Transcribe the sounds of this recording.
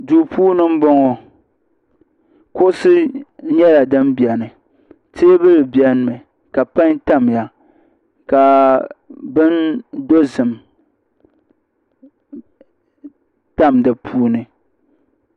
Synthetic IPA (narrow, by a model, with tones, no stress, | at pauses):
duː˨puː˦nɨ˦m̩˦bɔ˦ŋɔ˨ | kʊ˦sɨ˦ɲɛ˦la˨dɨ˦mbjɛ˨nɨ˨ | tʰeː˦bɨ˦lɨ˨bjɛ˦n˦mɨ˨ | ka˨pa˦ɲta˦mja˨ | ka˨ | bɨ˦ndo˦zɨ˨m | ta˦˨mdɨ˨pʰuː˦nɨ˨